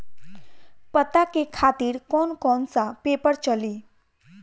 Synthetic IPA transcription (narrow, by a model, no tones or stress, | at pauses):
pət̪akekʰaːt̪iːɾkɔːnkɔːnsapepəɽt͡ʃəli